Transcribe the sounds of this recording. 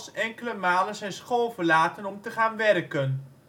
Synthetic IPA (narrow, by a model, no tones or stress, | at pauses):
sɛŋkələmaːlənzɛjnsχoːlˠvərlaːtənɔmtəχaːnʋɛrkən